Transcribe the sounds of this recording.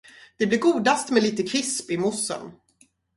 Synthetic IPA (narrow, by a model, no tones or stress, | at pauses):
d̪̥ɛblɪɾɡuːd̪ast̪mɛliːt̪əkʰɾɪspɪmʊsːə̰n